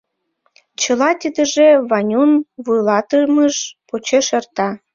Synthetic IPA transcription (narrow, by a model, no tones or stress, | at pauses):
t͡ɕə̆lɑt̪ʲəd̪ə̆ʒeβɑnʲunβujlɑt̪əməʃpot͡ɕeʃert̪ɑ